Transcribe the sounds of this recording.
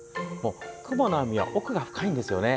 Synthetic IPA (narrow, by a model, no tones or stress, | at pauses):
moːkɯ̟bonoamʲiβa̰ʔokɯ̟ɡaɸɯ̟̥kʰaĩnd̪e̞sɨjo̞ne̞